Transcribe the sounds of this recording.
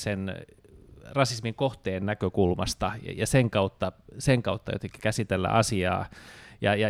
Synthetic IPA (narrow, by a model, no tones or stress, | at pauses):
sen | rɑsismiŋkoht̪eːnnækøkulmɑ̰st̪ɑjɑseŋkɑut̪ːɑseŋkɑut̪ːɑjo̰t̪eŋki̥kæsit̪elːæ̰ʔɑsiɑ̰ːjɑjɑ